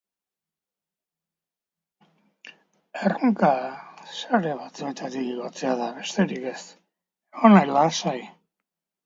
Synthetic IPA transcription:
eroŋkasaɾeβat͡smet̪at̪iɣiɣat͡seaðaβe̞st̪eɾike̞s | onajlasaj

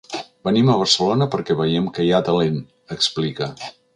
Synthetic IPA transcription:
bəniməβərsəlonəpəɾkɛβəjɛmkəjat̪əlen | əksplikə

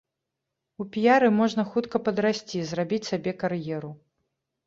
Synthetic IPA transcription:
upʲijaɾɨmɔʐn̪ɐxut̪kɐpɐd̪ɾasʲt͡sʲizrabʲit͡sʲsʲabʲɛkarjɛɾu

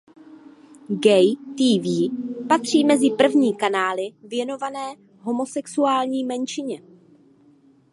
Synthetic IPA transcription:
ɡɛjt̪iːviːpat̪r̝̥iːmɛzɪpr̩vɲiːkanaːlɪvjɛno̞vanɛː | ɦo̞mo̞sɛksuaːlɲiːmɛnt͡ʃɪɲɛ

